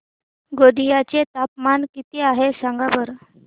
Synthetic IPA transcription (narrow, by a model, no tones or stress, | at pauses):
ɡod̪ijat͡ɕet̪ap̚mankit̪iaɦesaŋɡabəɾ